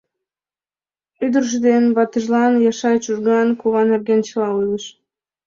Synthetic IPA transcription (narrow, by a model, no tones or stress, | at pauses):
yd̪ərʒ̬əd̪enβɑt̪əʒlɑnjɑʃɑjt͡ɕuʒɡɑnkuβɑnerɡent͡ɕəlɑunəʃ